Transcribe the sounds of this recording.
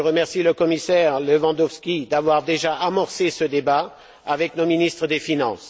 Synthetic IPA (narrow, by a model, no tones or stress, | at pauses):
əʁəmɛʁsiləkɔmisɛʁlevɑ̃d̪ɔfskʲid̪avwaʁd̪eʒaʔamɔʁsesəd̪eba | avɛknominist̪χəd̪efinɑ̃s